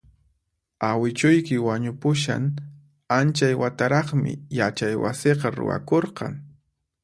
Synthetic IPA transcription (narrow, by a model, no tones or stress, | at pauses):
awɪt͡ʃʊjkɪwaɲʊpʊʃ̬a̰ŋ | ant͡ʃajwat̪aɾɑχmɪ̰jat͡ʃajwa̰sɪqɑɾʊ̰wa̰koɾqɑ̰ŋ